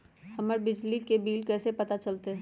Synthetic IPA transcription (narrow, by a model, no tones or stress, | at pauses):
hɐməɾbɪd͡ʒlikebiːlkɛːsepɐt̪at͡ʃɐlt̪eɦɛ